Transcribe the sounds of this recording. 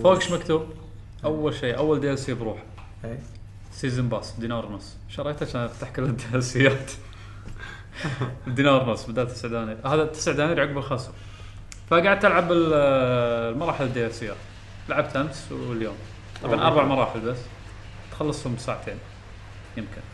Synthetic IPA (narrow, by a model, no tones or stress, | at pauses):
faːɡʃmakt̪uːb | ʔawːalʃiːʔawːald̪ijalsɪːabɾuːħḁ | siːzɪmbɑːsˤd̪iːnɑːɾˤnʊsˤː | ʃɑɾˤɑkt̪aʃanft̪aħkɪlːad̪ːialsɪjːaːt̪ | d̪ːiːnɑːɾˤnʊsˤːbɪd̪aːt̪ːɪsʕd̪aːniːɾhaːðat̪ːɪ̥sʕd̪aːniːɾʕaʊɡbɪlxɑsˤu | faɡaːʕɪd̪̚t̪ɪlʕabɪl | lmɑɾˤɑːħɪlɪd̪ːijalsɪjːa̰ | ɪlʕab̚t̪ʔamswɪljo̰ːm | t̪ˤɑ̰bʕanʔɑ̰ɾˤbɑʕmɑɾˤɑːħɪlbasː | t̪xɑlːɨsˤhʊmsaːʕat̪ʰeːn | jɪmkɪn